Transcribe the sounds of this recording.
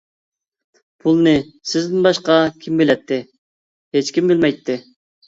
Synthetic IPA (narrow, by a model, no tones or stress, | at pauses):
pʰulˠnɨsɪzd̪ɪnbɑʃqɑkʲʰimbɪlɛt̪ʰːɪ | het͡ʃkʲimbɪlmɛjt̪ʰːɪ